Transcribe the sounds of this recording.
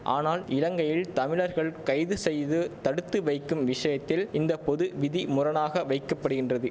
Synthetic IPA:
ʔa̰ːnaːlɪlɐŋɡɐjɪlt̪ɐmɪɭɐɾɣɐɭkɐɪðɯsɛjðɯt̪ɐɽɯt̪ːɯʋɐɪkːɯmʋɪʂɐjɐt̪ːɪlɪnd̪ɐpɔðɯʋɪðimʊrɐnaːɣɐʋɐɪkːɐpːɐɽɯɣɪndrɐðɯ

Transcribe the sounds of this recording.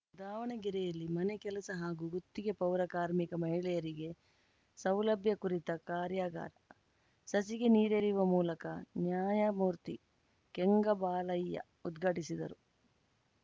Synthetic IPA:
ud̪aːʋɐɳɐɡiɾɛjɐlːimɐnekɛlɐsɐɦaːɡuɡut̪ːiɡe̞pɐwɾɐkaːɾmikɐmɐɦiɭɛjɐɾiɡe̞ | sɐwlɐbʱjɐkuɾit̪ɐkaːɾjaːɡa̰ːɾɐ | sɐsiɡeniːɾeːɾiʋɐmuːlɐkɐnjaːjɐmuːɾt̪i | keŋɡɐbaːlɐjːɐ̰ | ud̪ɡʱɐʈisid̪ɐ̰ɾu

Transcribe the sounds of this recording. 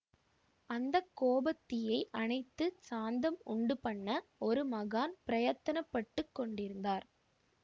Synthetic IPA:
ɐnd̪ɐkːoːbɐt̪ːɪjɐɪʔɐnɐɪt̪ːɯsaːnd̪ɐmʊɳɖɯpɐɳːɐɔɾɯmɐɣaːnpɪɾɐjɐt̪ːɐnɐpːɐʈːɯkːɔɳɖɪɾɯnd̪aːɾ

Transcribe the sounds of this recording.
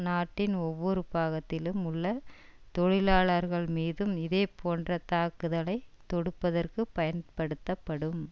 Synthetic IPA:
naːʈːɪnɔʋːɔɾɯpaːɣɐt̪ːɪlɯmʊɭːɐt̪ɔɻɪlaːɭɐɾɣɐɭmiːðɯmɪðeːpʰoːndrɐt̪aːkɯðɐlɐɪt̪ɔɽɯpːɐðɐrkɯpɐjɐnpɐɽɯt̪ːɐpːɐɽɯm

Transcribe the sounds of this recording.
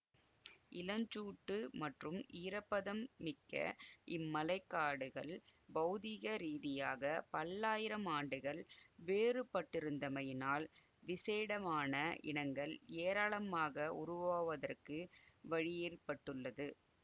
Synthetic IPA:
ʔɪlɐɲd͡ʒuːʈːɯmɐʈrɯmiːɾɐpːɐðɐmːɪkːɐ̰ʔɪmːɐlɐɪkːaːɽɯɣɐɭbɐðɪɣɐɾiːðɪjaːɣɐpɐlːaːjɪɾɐmaːɳɖɯɣɐɭʋeːrɯpɐʈːɪɾɯnd̪ɐmɐjnaːl | ʋɪseːɽɐmaːnɐʔɪ̰ɳɐŋɡɐɭeːɾaːɭɐmaːɣɐʊɾʊʋaːʋɐðɐrkɯʋɐɻɪjeːrpɐʈːɯɭːɐðɯ

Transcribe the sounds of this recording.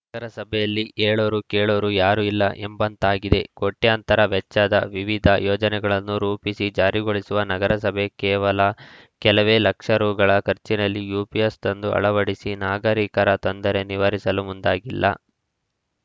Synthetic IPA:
nɐɡɐɾɐsɐbʱɛjɐlːiʔeːɭoːɾukeːɭoːɾujaːɾuilːɐʔembɐnt̪aːɡid̪e̞koʈːeɐnt̪ɐɾɐʋɛt͡ʃːɐd̪ɐ̰ʋiʋid̪ʱɐjɔːd͡ʒɐnɛɡɐɭɐnːuɾuːpisid͡ʒaːɾiɡoɭisuʋɐnɐɡɐɾɐsɐbʱe̞kɛːʋɐlɐ | kɛlɐʋe̞ːlɐkʂɐɾuːɡɐɭɐkʰɐɾt͡ʃinɐlːijuːpiest̪ɐnd̪uʔɐ̰ɭɐʋɐɽisinaːɡɐɾiːkɐɾɐt̪ond̪ɐɾe̞niʋɐɾisɐlumund̪aːɡilːɐ̰

